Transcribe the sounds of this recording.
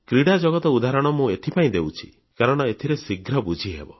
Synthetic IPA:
kɾiɽad͡ʒɔɡɔt̪ɔud̪aɾɔɽ̃ɔmũet̪ʰipaĩd̪ewt͡ʃʰi̥̰ | kaɾɔɽ̃ɔet̪ʰiɾesiɡʱɾɔbud͡ʒʱiɦebɔ

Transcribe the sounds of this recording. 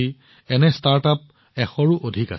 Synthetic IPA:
i | ɛnɛstaɹtap̚ | ɛxɔɹuʔodʱika̰

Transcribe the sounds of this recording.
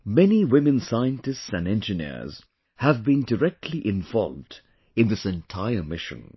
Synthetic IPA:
mɛniwɪmɨ̃nsaɪɨ̃ntɨstsæ̃nɛ̃nd͡ʒɨnḭɹz̥ | həvbĩndəɹɛk̚tʰliʔɪ̃ɱvɔ̰lˠvd | ɨ̃nðɪsɛ̃ntʰaɪə˞mɪʃɨ̰̃n

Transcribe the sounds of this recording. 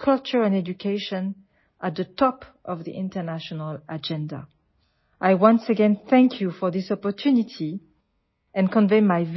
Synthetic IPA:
kʰʌlt͡ʃə˞ɛ̃nɛd͡ʒukʰeɪʃɔ̃n | ʔat̪̚ðətʰɔp | ʔʌvðḭʔɪ̃ntə˞naʃɔnəlad͡ʒɛ̃nda̰ | ʔajwʌ̃nsəɡɛ̃nθɛ̃ŋkʰjufɔ˞ðɪsɔpɔ˞tʰʉnitʰi | ɛ̃nkɔ̃nveɪmajv

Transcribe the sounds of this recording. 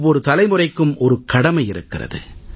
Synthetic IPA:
ʋːɔɾɯt̪ɐlɐɪmɯrɐɪkːɯmʔɔɾɯkɐɽɐmɐɪjɪɾɯkːɪrɐ̰ðɯ̰

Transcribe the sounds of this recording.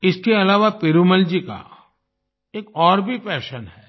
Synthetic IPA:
ɪskeɐlaːʋapeɾuməld͡ʒika̰ | eːkɔːɾbʱipɛːʃənɦɛː

